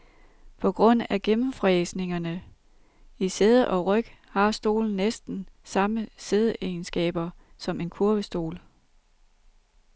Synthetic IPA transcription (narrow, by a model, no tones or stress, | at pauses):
pʰɒ̽ɡ̥ʁɔ̽n̰æɡ̥emm̩fʁɛːsne̝ŋɐnə | iseð̞ˠəʔɒ̽ʁœɡ̥hɑ̈sd̥o̝̰ːln̩nːesd̥n̩sɑ̈məse̝ð̞ˠəʔeːnsɡ̥ɛ̰ːb̥ɐsɒ̽me̝nkʰuɐʋ̥əsd̥o̝̰ːl